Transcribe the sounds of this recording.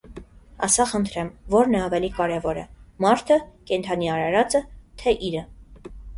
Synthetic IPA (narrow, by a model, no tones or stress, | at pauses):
ɑ̰sɑχənt̪ʰɾɛmvɔɾnɛɑvɛlikɑɾɛvɔɾɛ̰mɑɾt̪ʰəkɛnt̪ʰɑniɑɾɑɾɑt͡sət̪ʰɛʔiɾə